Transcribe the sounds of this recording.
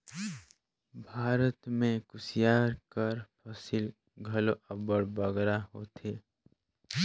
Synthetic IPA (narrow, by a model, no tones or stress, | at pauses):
bʱaːɾət̪mẽkʊsijaːɾkəɾpʰəsil | ɡʱəloʔəbəɽbəɡɾaɦoːt̪ʰe